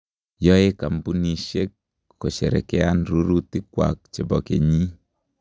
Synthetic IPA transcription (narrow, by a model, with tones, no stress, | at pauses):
jɔ˦e˦ka˨mbu˦ni˨ʃe˦k | ko˨ʃɛ˨ɾɛ̰˨kɛ˦a˦nɾu˦ɾu˦ti˦kwa̰˨k̚t͡ʃe˨bɔ˨ke˨ɲi˦